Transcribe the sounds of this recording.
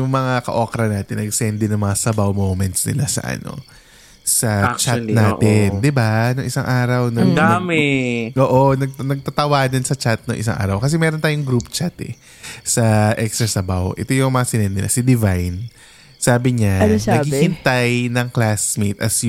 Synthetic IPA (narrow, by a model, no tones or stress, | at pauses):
jʊŋmɐŋaakɐ̰ʔoːkɾɐnaːt̪ɪnːɐɡsɛnd̪ɪnɐŋmɐŋasɐbawmowmɛnt̪snɪ̰lasɐ̰ʔɐ̰no̞̰ | sɐt͡ʃanaːt̪ɪnnd̪ɪbanʊŋʔɪsaŋʔaːɾɐwnɐɡd̪mɛʔoːʔonɐɡ̚nɐɡ̚t̪ɐt̪ɐwaːd̪ɐnsɐt͡ʃat̪̚nɐŋʔɪ̰saŋʔa̰ːɾɐwkɐs̬ɛmɛːɾont̪aːjʊŋɡɾupt͡ʃat̪ɛ̰ | sɐʔɛkst̪ɾɐsɐbawʔɛ̰t̪o̞jʊŋmɐŋasɪnɛd̪nɪlʔa̰sɐd̪ɪvajn | saːbɪɲanɐɡhiːhɪnt̪ajnɐŋklasmet̪ʔɐs